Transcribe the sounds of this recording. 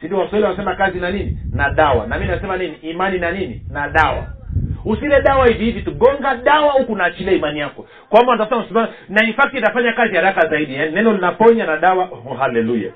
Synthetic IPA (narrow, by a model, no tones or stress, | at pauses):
sindiwaswaɛliwanasɛmakazinanininaɗawa̰namiinasɛmaniniːmaninanininaɗawa̰usilɛɗawahivihivituɡɔŋɡaɗawahukunaːt͡ʃilɛimanijakɔ | kwambantasɛmamsɛmanaifak̚tintafaɲakazihaɾakazaiɗijaninɛnɔlinapɔɲanaɗawahɔɦalɛluja̰